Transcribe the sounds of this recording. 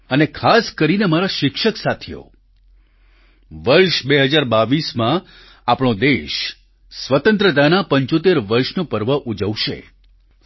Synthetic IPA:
ənekʰaskəɾinemaɾaʃɪkʃəksat̪ʰejo̰ | ʋəɾʃbeɦəd͡ʒaɾbaʋismã | apɳ̃od̪eʃ | sʋət̪ə̃nt̪ɾət̪anapəɲt͡ʃot̪̬eɾʋəɾʃnopəɾʋəʔud͡ʒəʋʃḛ

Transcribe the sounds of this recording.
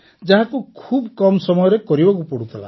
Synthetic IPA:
d͡ʒaɦãkukʰubkɔmɔsɔmɔjɔɾekɔɾibɔkupɔɽut̪ʰela̰

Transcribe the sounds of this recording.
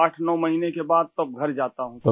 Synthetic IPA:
aːʈʰnɔːmɐɦinekebaːd̪̚t̪ɐb̚ɡʱɐɾd͡ʒaːt̪aɦũː

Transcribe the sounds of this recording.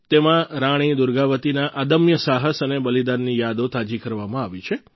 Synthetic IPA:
t̪emãɾaɽ̃id̪ʊɾɡaʋət̪inaʔad̪əmjəsaɦəsənebəlid̪anːijad̪ot̪ad͡ʒikəɾʋamãaʋit͡ʃʰe

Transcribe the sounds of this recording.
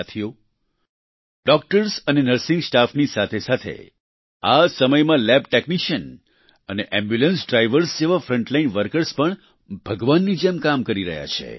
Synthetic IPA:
t̪ʰijo | ɖɔk̚ʈəɾsənenəɾsɪ̃ŋɡsʈafnisat̪ʰesat̪ʰḛ | asəməjmãlɛb̚ʈekniʃən | əneʔɛ̃mbjulə̃nsɖɾajʋəɾsd͡ʒeʋafɾə̃ɳʈlainʋəɾkəɾspəɳ | bʱəɡʋanːid͡ʒɛmkamkəɾiɾə̰ɦja̰t͡ʃʰḛ

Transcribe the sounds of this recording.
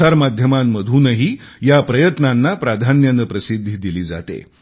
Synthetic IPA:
aɾmad̪ʱjəmamːəd̪ʱuːnəɦiː | japɾəjət̪nanːapɾad̪ʱanjənəpɾəsid̪ʱːid̪iliːd͡za̰t̪ḛ

